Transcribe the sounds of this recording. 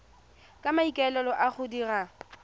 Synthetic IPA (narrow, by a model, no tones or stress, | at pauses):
kʼamaikʼɛlɛlɔʔaχʊdira